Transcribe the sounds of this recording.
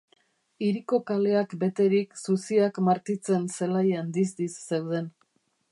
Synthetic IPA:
iɾiko̞kale̞akbe̞t̪e̞ɾiksusiakmaɾt̪it͡se̞nse̞lajand̪izd̪isːe̞wð̞e̞n

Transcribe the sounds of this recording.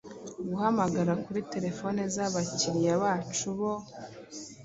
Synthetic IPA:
ɡuhamaɡaɾakuɾite̞ɾe̞fo̞nezaβaciɾijaβaːt͡ʃuβo̞

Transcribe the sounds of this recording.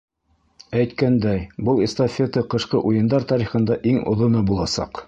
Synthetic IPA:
æjt̪kænd̪æjbɤlˠest̪ofʲet̪ɤqɤ̆ʃqɤʔujɤ̆nd̪ɑɾt̪ɑɾiχɤ̆nd̪ɑʔiŋŏ̰ðŏnɤbulˠɑsɑ̰q

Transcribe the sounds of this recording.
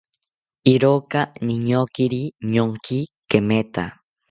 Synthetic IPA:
iɾokaniɲokiɾiɲoŋkikemet̪a̰

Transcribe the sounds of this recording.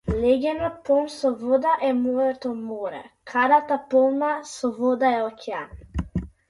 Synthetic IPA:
lɛɡʲɛnɔt̪̚pɔmsɔvɔd̪aʔɛmɔɾɛt̪ɔmɔɾɛ̰kʰaɾat̪apɔlˠmasɔvɔd̪aɛɔkʰʲɛan

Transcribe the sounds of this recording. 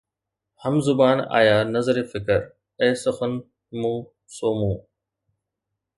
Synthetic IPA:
həmzʊbaːna̰ːjaːnɐzɾeːfɪkəɾ | eːsəxən | mũː | soːmũː

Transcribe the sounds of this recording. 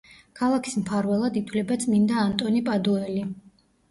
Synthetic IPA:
kʰalˠakʰi̥smpʰaɾvɛlˠad̪it̪ʰwlɛbat̪sʰmind̪aːnt̪ʼɔnipʼad̪ɔɛli

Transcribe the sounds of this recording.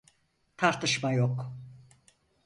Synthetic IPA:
t̪ʰaɾt̪ʰɯʃmajok

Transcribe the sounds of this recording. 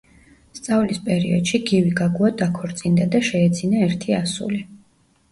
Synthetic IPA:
st̪sʼavlispʼɛɾḭɔd̪̥ʃiɡiviɡaɡuad̪akʰɔɾt̪sʼind̪ad̪aʃɛːd̪zinaɛɾt̪ʰiasṵli

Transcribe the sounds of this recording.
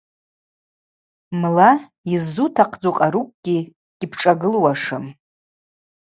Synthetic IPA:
mla | izːutʰaqʰd͡zuqʼaɾukʷʼɡ̥ʲi | ɡ̥ʲɪpʰʈ͡ʂʼaɡɨlwaʂɨm

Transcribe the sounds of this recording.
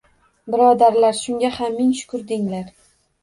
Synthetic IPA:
bɪɾɒd̪aɾlaɾʃʊŋɡʲahamːɪŋʃʊ̥kʰʊɾd̪ɪŋlaɾ

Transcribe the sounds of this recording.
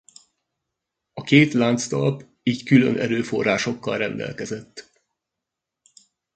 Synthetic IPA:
ɒkeːt̪laːnt̪st̪ɒlp | iːckylø̰nʔɛɾøːfo̞̰rːaːʃo̞kːɒlrɛnd̪ɛ̰lkɛzɛt̪ː

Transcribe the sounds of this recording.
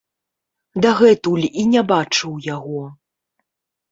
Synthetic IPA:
d̪aɣɛt̪ulʲinʲabat͡ʂɨwjaɣɔ

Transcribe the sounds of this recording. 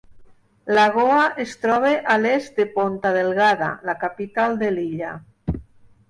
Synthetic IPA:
laɣoaʔest̪ɾɔβ̞eʔalezd̪epont̪aðelɣaða̰lakapit̪ald̪eliʎa̰

